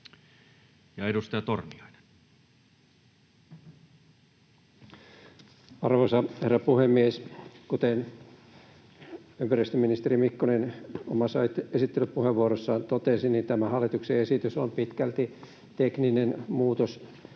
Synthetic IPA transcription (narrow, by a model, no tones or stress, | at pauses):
jɑedust̪ɑjɑt̪ormiɑine̥n | ɑrʋosɑherːɑpuhemːieskut̪en | ympæɾist̪øminist̪erimikːonenomɑsɑit̪esit̪ːelytpuheʋːuoɾosːɑːnt̪ot̪esinint̪æmæhɑlːit̪ukseesit̪ysompit̪kælt̪i | t̪ekninenmuːt̪os